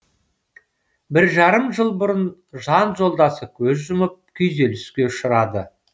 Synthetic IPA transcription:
bɪɾʒɑɾəmʒəlˠbʊɾən | ʒɑnʒo̞lˠd̪ɑsəkʲʰɵzʒʊməp̚kʲʰʏjze̞lɪskʲe̞ʊʃəɾɑd̪ə̰

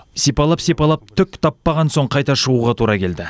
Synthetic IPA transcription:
sepɑlˠɑpsepɑlˠɑp̚t̪ʰʏkʲt̪ʰɑpːɑʁɑnso̞ɴqʰɑjt̪ɑʃəʁuʁɑt̪ʰuɾɑkʲʰe̞ld̪ɪ

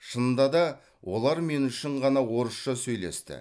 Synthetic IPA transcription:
ʃənd̪ɑd̪ɑ | wʔo̞lˠɑɾme̞nʏʃɪɴʁɑnɑwo̞ɾəsʃɑsɵjle̞̰st̪ɪ̰

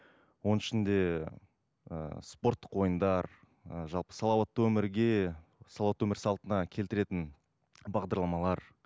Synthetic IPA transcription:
wo̞nɪʃɪnd̪e̞ | ə̰spo̞rt̪ːə̥qwo̞jənd̪ɑɾ | əʒɑlˠpə̥sɑlˠɑwɑt̪ːəwɵmɪɾɡʲe̞sɑlˠwɑt̪wɵmɪɾsɑlˠt̪ənɑkʲʰe̞lt̪ɪɾe̞t̪ɪn | bɑʁd̪ɑɾlˠɑmɑlˠɑɾ

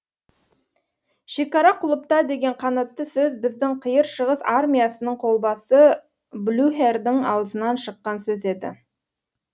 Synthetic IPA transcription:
ʃe̞kɑɾɑqʰʊlˠəp̚t̪ɑd̪e̞ɡʲe̞ɴqʰɑnɑt̪ːəsɵzbɪzd̪ɪŋqʰəjəɾʃəʁəsarmʲijasənəɴqʰo̞lˠbɑsə | blʲuɦerd̪ɪŋɑ̰wəzənɑnʃəqːɑnsɵze̞d̪ɪ̰

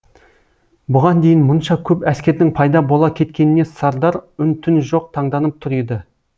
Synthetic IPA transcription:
bʊʁɑnd̪e̞jɪnmʊnʃɑkʲʰɵpæskʲe̞ɾd̪ɪŋpʰɑjd̪ɑbo̞lˠɑkʲʰe̞t̪kʲe̞nɪne̞sɑɾd̪ɑɾʏnt̪ʰɪnʒo̞q̚t̪ʰɑɴd̪ɑnəp̚t̪ʰʊɾed̪ɪ

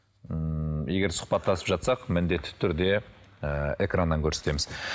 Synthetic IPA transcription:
əje̞ɡʲe̞ɾsʊ̥χpɑt̪ːɑsəpʒɑt̪sɑqmɪnd̪e̞t̪ːɪ̥t̪ʰʏɾd̪e̞ | əe̞krand̪ɑŋkʲʰɵɾse̞t̪e̞mɪz

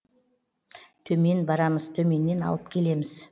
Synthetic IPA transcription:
t̪ʰɵme̞nbɑɾɑməz̥t̪ʰɵme̞nːe̞nɑ̰lˠəp̚kʲʰe̞le̞mɪz

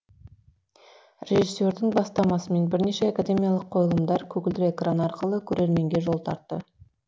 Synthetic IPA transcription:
ɾʲe̞ʒisːe̞ɾd̪ɪŋbɑst̪ɑmɑsəme̞nbɪɾne̞ʃe̞akad̪ʲe̞mʲijɑlˠəqʰːo̞jəlˠəmd̪ɑɾkʲʰɵɡʲɪld̪ɪekranɑɾqəlˠəkʲʰɵɾʔe̞ɾme̞ŋɡʲe̞ʒo̞lˠt̪ʰɑ̰ɾt̪ːə

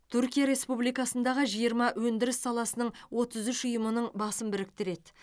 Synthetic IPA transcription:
t̪ʰʉɾkʲijaɾe̞spublijkɑsənd̪ɑʁəʒijəɾmɑwɵnd̪ɪɾɪsːɑlˠɑsənəɴwo̞t̪əzʏʃʊjəmənəɴbɑsəmbɪɾɪk̚t̪ɪɾe̞t̪

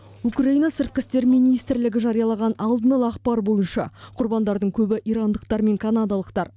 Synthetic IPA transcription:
ukraijnɑsɪɾt̪̚qɪst̪e̞ɾmijnijst̪ɾlɪɡʲɪʒɑɾijɑlˠɑʁɑnɑlˠd̪ənɑlˠəɑqpɑɾbo̞jənʃɑ̰qʰʊɾbɑnd̪ɑɾd̪əɴkʲʰɵbɪʔijɾɑnd̪əqt̪ɑɾme̞ŋkʰanad̪ɑlˠəqt̪ɑɾ

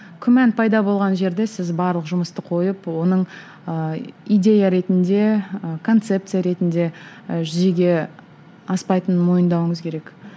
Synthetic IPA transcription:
kʲʰʏmænpʰɑjd̪ɑbo̞lˠʁɑnʒe̞ɾd̪e̞sɪzbɑɾlˠəqʒʊməst̪əqʰo̞jəpwo̞nəɴ | əijd̪ʲe̞jaɾe̞t̪ɪnd̪e̞kʰo̞nt̪se̞p̚t̪sɨjaɾe̞t̪ɪnd̪e̞ | ʒʏzeɡʲe̞ | ɑspɑjt̪ənmo̞jənd̪ɑwəɴəzkʲʰe̞ɾe̞k

